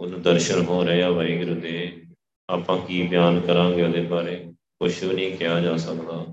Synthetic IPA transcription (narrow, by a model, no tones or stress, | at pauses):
ʊnd̪əɾʃənɦoːɾəeːaːʋaːiːɡɪɾʊd̪eː | aːpãːkiːbɪjaːnkəɾãːɡeoːd̪eːbaːɾeː | kʊʃoːnĩːkɪjãːd͡ʒaːsəkd̪aː